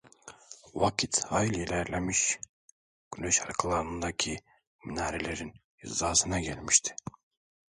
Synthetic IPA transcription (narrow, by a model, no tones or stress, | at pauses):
vakʰit̪ʰajlʲjilʲæɾlʲemiʃ | ɡ̥ynøʃaɾkʰɯlˠaɾɯnɯnd̪acʰi | minaːɾelʲeɾin | ḭzd̪aːsɯnaɟælʲmiʃt̪ʰi̥